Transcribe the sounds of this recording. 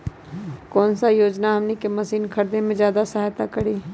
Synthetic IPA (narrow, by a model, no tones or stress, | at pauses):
kɔːnsajoːd͡ʒnaɦɐmnekemɐsiːnkʰɐɾd̪ẽmẽzjaːd̪asɐɦaːjt̪akɐɽiː